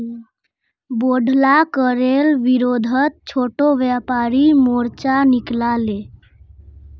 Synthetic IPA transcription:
boɖʱlakəɾelʋiɾod̪ʱət̪̚t͡ʃʰoʈoʋjapaɾimoɾt͡ʃaniklale

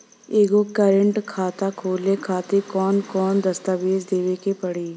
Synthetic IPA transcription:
eːɡokəɾə̃ɳʈkʰaːt̪akʰoːlekʰaːt̪ekɔːnkɔːnd̪ɐst̪aʋeːd͡ʒd̪eːʋekepɐɽiː

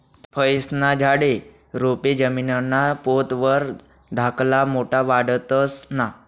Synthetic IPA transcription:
pʰəjsnad͡ʑʱaɽe | ɾoped͡ʑəminənːapot̪ʋəɾ | d̪ʱaklamoʈaʋaɽət̪əsna

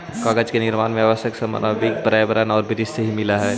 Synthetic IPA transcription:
kaɡət͡ʃkenɪɾmaːnmeaːʋəsəksɐmə̰nabikbəɾajbəɾənɔːɾbʱɪɾɪsseɦimɪlaɦɛː

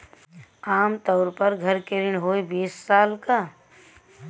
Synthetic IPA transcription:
aːmt̪ɔːɾpɐɾɡʱɐɾkeɾɪɽɦoːebiːsːaːlka

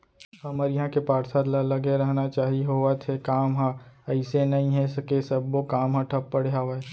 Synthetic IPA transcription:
hɐməɾjɐɦãkepaːɾsaɾlalɐɡeɾɐɦnat͡ʃaːɦiɦoat̪ʰekaːmɦaɐɪsenɐɦĩɦɛ̃sɐkesɐbːokaːmɦãʈʰɐpːəɽ̤ɦaʋe

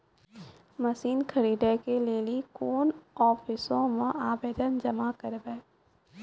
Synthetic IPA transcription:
məsiːnkʰəɾiːɖekeleːlikoːnɔːpʰɪsõmẽʔaːbeːd̪ənd͡ʒɐmakəɾbɛː

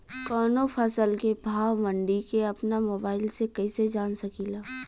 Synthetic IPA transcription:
kɔːnopʰɐsəlkebʱaːwmə̃ɳɖikeɐpnamoːbaːɪlsekɛːsed͡ʒaːnsɐkiːlaː

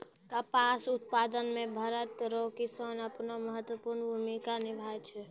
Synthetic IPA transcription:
kəpasut̪̚pad̪ənmẽbʱəɾət̪ɾokisonəpnoməɦət̪wəpuɾnbʱumikanibʱajt͡ʃʰɛ

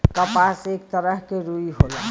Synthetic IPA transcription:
kəpasek̚t̪əɾəɦkeɾuiɦola

